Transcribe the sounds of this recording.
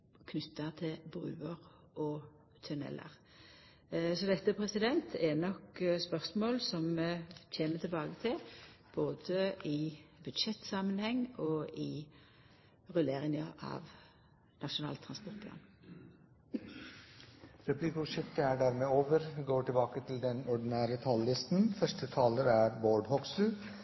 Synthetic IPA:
kʰnʏt̪ːət̪ʰɪlbʁʉ̰ːəʁ | ʔɔ | t̪ʰœnɛ̰lːə̰ʁ | sɔd̪ɛt̪ːəpʰɾɛsɪd̪ɛnt̪ʰɛnɔkspœʁsmoːlsɔmc͡çʰeːmət̪ʰɪlbɑːɡət̪ʰɪlb̥oːd̪əɪbʉd̪ʂɛt̪ːsɑmənhɛŋːɔɪ | ʁʉleːɾɪŋəɑ̰ʋ | nɑʂʊnɑ̰ːlt̪ʰʁɑnspɔʁt̪̚pʰlɑ̰ːn | ɾɛplikəʊʂɪkt̪əæɖæːɾmeːoːʋəɾɡoːʈɪlbɑːkət̪ʰɪld̪ɛnɔɖɪnæːɾət̪ʰɑlːɪst̪n̩fœʂʈət̪ʰɑːləɾæɾboːɖhɔksʉ

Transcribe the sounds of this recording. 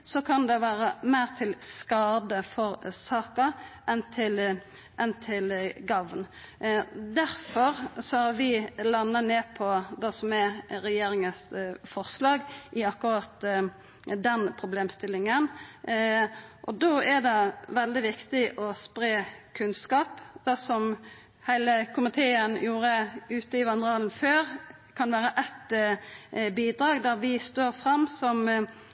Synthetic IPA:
sɔkʰɑnd̪ɛʋæːɾəmæɪʁt̪ʰɪlskɑːd̪əfɔɾsɑːkɑʔɛnt̪ʰɪl | ʔɛnt̪ʰɪlɡɑʋn | d̪æɾfɔɾsɔhɑɾʋɪlɑnːəneːpʰɔd̪ɛsɔmɛɾɛjeːɾɪŋəsfɔɾslɑːɡʔɪɑkːʊɾɑːt̪ | d̪ɛnpʰɾʊbleːmst̪ɪlɪŋən | ʔɔd̪oæɾd̪ɛʋɛld̪ɪʋɪkt̪ɪʔɔspɾeːkʰʉnskɑːpd̪̥ɛsɔm | hæɪləkʰʊmɪt̪ʰeːənjuːɾəʉːt̪əɪʋɑnəʁɑːln̩føːɾ | kʰɑnʋæːɾəʔɛt̪ | biːd̪ɾɑːɡd̪æɾʋɪst̪oːɾfɾɑmːsɔm

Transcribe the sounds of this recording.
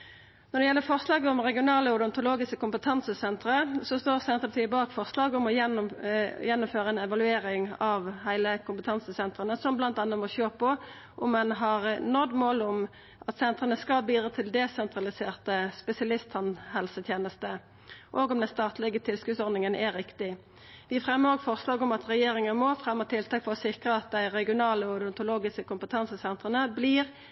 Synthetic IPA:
nɔʁd̪ɛjɛlːəfɔʁslɑːɡəɔmʁɛɡɪʊnɑːləɔd̪ɔnt̪ʊloːɡɪskəkʊmpət̪ʰɑnsəsɛnt̪ɾəsɔst̪oːʁsɛnt̪ʁəpʰɑt̪ʰiːəbɑːkfɔʁslɑːɡʊmɔjɛnjɛnːʊmføːɾəɛnɛʋɑlʉeːɾɪŋɑʋhæɪləkʊmpət̪ʰɑnsəsɛnt̪ʁənəsɔmblɑnt̪ɑnːəmɔçøːpɔ | ʔʊmːɛnɦɑʁnɔd̪moːlʊm | ʔɑt̪sɛnt̪ʁənəskɑbiːd̪ʁɑːt̪ʰɪld̪ɛsɛnt̪ʁɑlɪseːʁt̪əspɛsɪɑlɪst̪hɑnhɛlsət̪ʰjeːnəst̪ə | ʔoːɡɔmd̪ɛnst̪ɑːt̪lɛɡət̪ʰɪlskʉːt̪sɔɾd̪nɪŋənɛɾɪkt̪ɪ | ʋɪfʁɛmːəɾoːɡfɔʁsloːɡɔmɑt̪ʁɛjeːɾɪŋənmɔfʁɛmːət̪ʰɪlt̪ɑːkfɔʁɔsɪkʁəɑt̪̚d̪æɪʁɛɡɪʊnɑːləɔd̪ɔnt̪ʊloːɡɪskəkʊmpət̪ʰɑnsəsɛnt̪ʁənəbliːʁ

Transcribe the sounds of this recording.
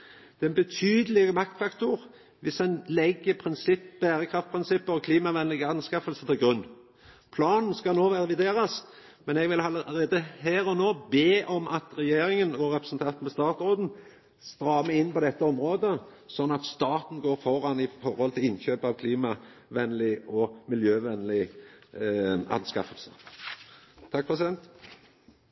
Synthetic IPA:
d̪̥ɛnbət̪ʰyːd̪əlɪɡəmɑkt̪fɑkt̪ʊɾ | ʋɪsɛnlɛɡːəpʰɾɪnsɪpb̥æːɾəkʰɾɑft̪pʰɾɪnsɪpːəɾɔkʰliːmɑʋɛnlɪɡæn̩skɑfəlsət̪ɪlɡɾʉnː | pʰlɑːnn̩skɑnoːʋæʁɛʋɪd̪eːɾɑs | mɛnɛɡʋɪlɑləɾeːd̪əhæːɾɔnoːbeːʔɔmʔɑt̪ɾɛjeːɾɪŋənɔɾɛpɾəsənt̪ʰɑnt̪n̩pɔst̪ɑːt̪ʁoːd̪n̩ | st̪ɾɑːməɪnːpɔd̪ɛt̪ːəɔmɾoːd̪əsɔnːɑt̪st̪ɑːt̪n̩ɡoːɾfɔɾɑnɪfɔɾhɔlt̪ʰɪlɪnçøːpəɑʋkʰliːmɑʋɛnlɪɔmɪljøːʋɛnlɪ | ɑ̰nskɑ̰fəlsə | t̪ʰɑkpʰɾɛs̬ɪd̪ɛnt̪

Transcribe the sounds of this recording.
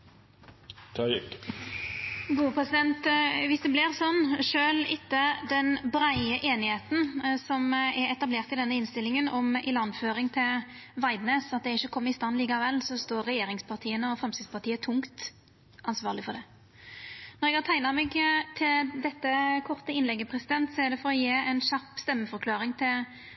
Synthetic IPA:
t̪ʰɑk | ɡuːəpʰʁɛsɪd̪ɛnt̪ʋɪsd̪ɛblɪɾsɔnːʂøːlɪt̪ːəd̪ɛnbɾæɪəʔeːnɪheːt̪n̩sɔmɛɾɛt̪ɑbleːʁt̪ɪld̪ɛnːəɪnst̪ɪlːɪŋənɔmɪlɑnføːɾɪŋt̪ʰɪl | ʋɑɪd̪neːsɑt̪̚d̪ɛɾɪçːəkʰɔmːəɪst̪ɑnːliːkɑʋɛlːsɔst̪oːɾːɛjeːɾɪŋspʰɑʁt̪ʰiːənəɔfɾɛmsɪspʰɑʁt̪ʰiːət̪ʰʊŋkt̪ | ɑnsʋɑːʁlɪfɔɾd̪ɛ | nɔɾɛɡæt̪ʰæɪnɑmɛɡt̪ʰɪld̪ɛt̪ːəkʰɔʁt̪əɪnlɛɡːəpʰɾɛsɪd̪ɛnt̪sɔæɾd̪ɛfɔɾɔjeːɛnɕɑpːst̪ɛmːəfɔɾkʰlɑːɾɪŋt̪ʰɪl

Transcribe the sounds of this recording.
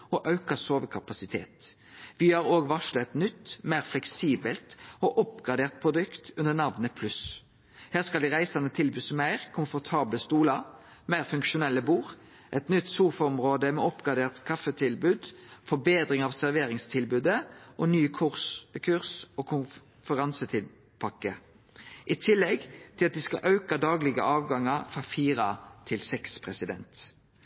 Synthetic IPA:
ɔʔɑʉkɑsoːʋəkʰɑpɑsɪt̪ʰḛːt̪ | ʋɪhɑɾoːɡʋɑʂlət̪nʏt̪ːmæɪʁflɛksiːbəlt̪ɔʔɔpɡʁɑd̪eːʁt̪̚pʰʁʊd̪ʉkt̪ʉnənɑʋnəpʰlʉs | hæːʁskɑld̪ɪʁæɪsɑnət̪ʰɪlbʉːsmæɪʁkʰʊmfɔʁt̪ʰɑːbləst̪uːlɑ | mæɪʁfʉŋkʃʊnɛlːəbuːʁ | ʔɛt̪nʏt̪ːsuːfɑɔmʁoːd̪əmɛɔpɡʁɑd̪eːʁt̪kʰɑfət̪ʰɪlbʉːd̪fɔbeːd̪ʁɪŋɑʋsæɾʋeːʁɪŋst̪ʰɪlbʉːd̪əʔonyːkʰʉʁskʰʉʁsoːkʰʊ | fəʁɑnsət̪ʰɪl | pʰɑkːə | ʔit̪ʰɪlːɛɡt̪ʰɪlɑt̪̚d̪iːskɑ̰ʔɑʉkɑd̪ɑːɡlɪɡə̰ʔɑːʋɡɑŋːɑɾfʁɑfiːʁɑt̪ʰɪlsɛkspʰʁɛsɪd̪ɛ̰nt̪

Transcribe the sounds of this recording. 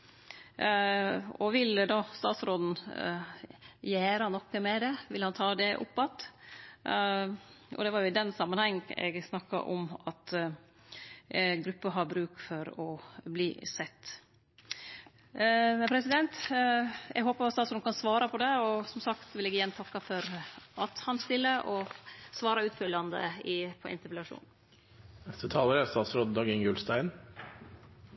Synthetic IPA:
ɔʋɪld̪ɑst̪ɑ̰ːt̪sɾoːd̪n̩ | jæːɾɑnɔkːəmɛd̪ɛʋɪlhɑnt̪ʰɑːd̪ɛʔʊ̰pːɑt̪ː | ʔɔ̰d̪ɛʋɑɾjʊɪd̪ɛnsɑmːənhɛŋːɛ̰ɡsnɑkːɑ̰ʔɔ̰mɑt̪ | ɡɾʉpːəɦɑɾbɾʉːkfɔɾɔbliːsɛt̪ː | ɛpʰɾɛsɪd̪ɛnt̪ | ɛ̰ɡɦoːpəɾɑt̪st̪ɑːtsɔnkʰɑnsʋɑːɾɑpʰɔd̪ɛɔsɔmsɑkt̪ʋɪlɛɡɪjænt̪ʰɑkːɑfɔɾɑt̪hɑnst̪ɪlːəʔɔsʋɑːɾɑʉːt̪fœlːɑnd̪ə̰ɪpʰɔʔɪ̰nt̪əɾpɛlɑʂṵːn | nɛst̪ət̪ʰɑːləɾəst̪ɑːt̪sɾoːd̪d̪ɑːɡəŋɡʉlst̪æɪn

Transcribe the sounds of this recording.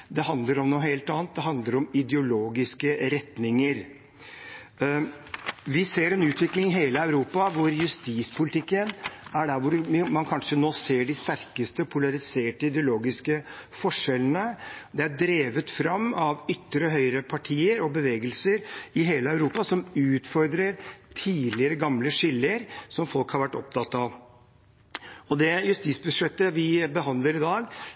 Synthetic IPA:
d̪ɛhɑnd̪ləɾɔmnuːɦeːlt̪ɑːnt̪̚d̪ɛɦɑnd̪ləɾɔmɪd̪jʊloːɡɪskəɾɛt̪nɪŋəɾ | ʋɪseːɾɛnʉːt̪ʋɪklɪŋɦeːləæʉɾuːpɑʋʊɾjʉst̪iːspʰʊlɪt̪ʰɪkːənæɖæɾʋʊɾmɑnkʰɑnʂənoːseːɖɪst̪æɾkəst̪əpʰʊlɑɾɪseːʈəɪd̪ɛʊloːɡɪskəfɔʂɛlənəd̪ɛæɖɾeːʋət̪fɾɑmːɑʋʏt̪ːɾəɦœʏɾəpʰɑʈʰiːəɾɔbəʋeːɡəlsəɾɪɦeːləɑʉɾuːpɑsɔmʉːt̪fɔɾd̪ɾəɾt̪ʰiːd̪lɪəɾəɡɑmləʂɪlːəɾsɔmfɔlkhɑɾʋæʈːɔp̚t̪ʰɑt̪ːɑʋ | ɔd̪ɛjʉst̪iːt̪sbʉʂɛt̪ːəʋɪbəɦɑnd̪ləɾɪd̪ɑːɡ

